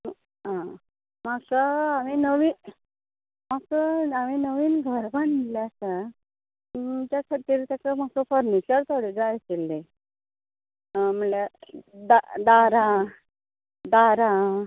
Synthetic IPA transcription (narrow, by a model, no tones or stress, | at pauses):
ɦã | makaaminəʋiː | makəaminəʋiːnɡʱəɾbanmilesa | t̪jakʰəɾt̪iɾt̪jakamasəpəɾnit͡ɕəɾt̪ʰoɽed͡zajəselːe | m̤əlad̪ad̪aɾa | d̪aɾã